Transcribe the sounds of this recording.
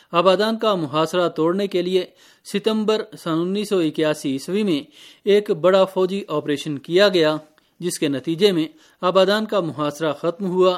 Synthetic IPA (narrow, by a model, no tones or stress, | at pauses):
aːbaːd̪aːnkamʊɦaːsɾat̪oːɽnekelie | sɪt̪ə̃mbəɾsɐnʊ̃nːiːsːɔɪkjaːsiɪswimẽ | eːkbɐɽafɔːd͡ʒiʔaːpɾeːʃənkijaɡɐja | d͡ʒɪskenɐt̪iːd͡ʒemẽ | aːbaːd̪aːnkamʊɦaːsɾaxɐt̪mɦʊaː